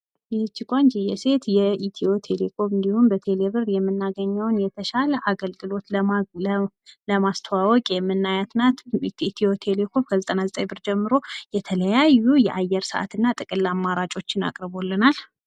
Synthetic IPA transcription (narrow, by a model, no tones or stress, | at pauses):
jɪt͡ʃːɪkʷʼand͡ʒijɛse̞t̪jɛit̪ʰiot̪ʰe̞lekʰo̞mɨnd̪ihunbət̪ʰe̞leβɨrjɛmːɨnːaɡəɲːawnjɛt̪ʰəʃaləʔaɡəlɡɨlo̞t̪lə | ləmast̪ʰəwawɔkʼjɛmːɨnːajat̪ʰnat̪t̪ʰio̞t̪ʰe̞le̞kʰo̞mkʰəzət̪ʼənazət̪ʼəjbɨɾd͡ʒɛmːɨɾo̞jɛt̪ʰələjajːujɛʔajːɛɾsəʔa̰t̪ɨnːat̪ʼɨkʼɨlːamːaɾat͡ʃʼo̞t͡ʃːɪna̰kʼɾβo̞lːɨnal